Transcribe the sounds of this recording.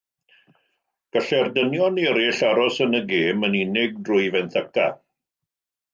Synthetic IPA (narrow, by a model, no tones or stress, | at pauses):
ɡ̥əɬɛrdənjɔniɾɪɬaɾɔsənəɡeːməninɪɡ̚drʊjvɛnθəka̰